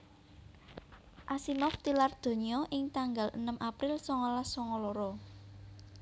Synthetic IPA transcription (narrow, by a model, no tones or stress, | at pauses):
ʔasimɔft̪ilard̪̥o̤ɲiɔʔɪŋt̪aŋɡalə̰nəmʔapɾɪlsɔŋɔlasɔŋɔlɔɾɔ